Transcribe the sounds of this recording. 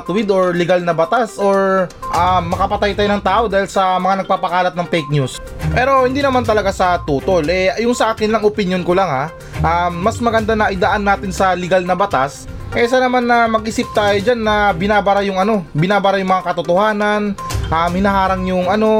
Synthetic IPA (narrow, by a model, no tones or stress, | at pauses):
t̪ʊwɪd̪oɹlɪɡalnɐbɐt̪asʔoɹʔamːɐkɐpɐt̪ajt̪aːjonɐŋt̪aːʔo̞d̪aːhɪlsɐmɐŋanɐɡ̚paːpɐkaːlɐt̪̚nɐŋfɛjk̚ɲus | pɛːɾo̞hɪnd̪iːnɐmant̪ɐlɐɡasɐt̪uːt̪olʔɛjʊŋsɐʔaːkɪnlɐŋʔopɪnjonkolaŋha | ʔamːɐsmɐɡɐnd̪anɐʔɪd̪aʔanːaːt̪ɪnsɐlɪɡalnɐbɐt̪as | ʔɛʔɪsanɐmanːɐmɐɡ̚ʔɪsɪp̚t̪aːjod͡ʒanːɐbɪnaːbɐɾajʊŋɐno̞bɪnaːbɐɾajʊŋmɐŋakɐt̪ot̪ohaːnɐnʔamhɪnɐɦaːɾɐŋjʊŋɐno̞